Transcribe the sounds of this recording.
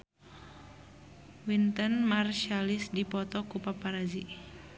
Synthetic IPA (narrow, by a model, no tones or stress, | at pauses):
wint̪ənmarʃialisdipɔt̪ɔkupapaɾazi